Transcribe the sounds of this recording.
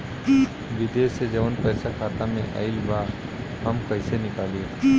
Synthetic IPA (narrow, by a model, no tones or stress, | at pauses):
ʋɪd̪eːsed͡ʒɐʋənpəːsakʰaːt̪amẽʔa̰ɪlbaː | ɦɐmkɐɦɪsenɪkaːlie